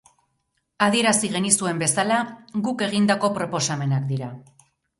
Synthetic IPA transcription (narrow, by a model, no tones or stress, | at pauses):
að̞ie̞ɾasiɣe̞nisue̞mbe̞salaɣuke̞ɣ̞ind̪ako̞pɾo̞po̞same̞nak̚d̪iɾa